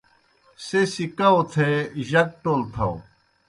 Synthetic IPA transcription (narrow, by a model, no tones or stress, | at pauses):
sesikaot̪ʰeːʑɐk̚ʈoːlt̪ʰɐo